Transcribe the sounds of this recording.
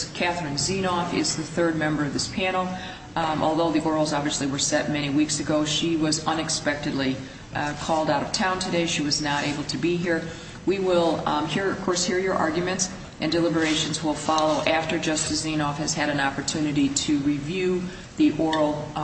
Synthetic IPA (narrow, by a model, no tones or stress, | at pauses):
kʰæθɹɨ̃nzĩnɔfɪ̰zðɨθɜ˞d̚mɛ̃mbə˞ʌvðɪspʰæ̃nl̩ˠ | ʔɔ̰lˠðoʊðiʔɔɹl̩ˠzɑbviɨsliwə˞sɛt̚mɛɾ̃iwiksɨɡoʊʃiwʌzʌ̃nɨkspɛk̚tɨdˡli | kʰɔlˠdaʊɾʌv̥tʰãʊ̃ntʰɨdeɪʃiwʌznəɾeɪbl̩ˠtʰɨbiɦiɹ | wiwɪlˠhiɹʌv̥kʰɔɹshiɹjə˞ʔɑ̰ɹɡjɨmɨ̃nts | ʔɨ̃ndɨlɪbə˞eɪʃɨ̃n̩zwɪlˠfɑlˠoʊʔæftə˞d͡ʒʌstɨszĩnɔfhɨz̥ɨɾɨ̃nɑpə˞tʰʉnɨɾiɾɨɹivjʉ | ðiʔɔɹl̩ˠ